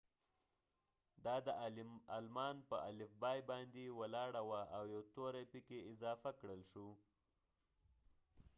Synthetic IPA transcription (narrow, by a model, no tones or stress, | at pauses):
d̪ɑd̪əalmɑnpəʔalɪfbɑjbɑnd̪ewəlɑɽawaʔawjawt̪oɾapikeɪzɑfakɽəlʃu